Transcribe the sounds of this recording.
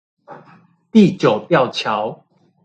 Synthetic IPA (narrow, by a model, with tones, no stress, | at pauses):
t̪i˥˨t͡ɕjo˨˩ʊt̪jɑ˥˨ʊt͡ɕʰja˨˦ʊ